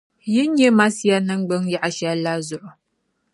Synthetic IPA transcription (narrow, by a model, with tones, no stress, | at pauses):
jɪ˦ɲ˦e˦ma˦si˦ja˦nə˦ŋɡ͡bə˦ŋja˦ʔa˨ʃa˦la˦zʊ˦ʔo˨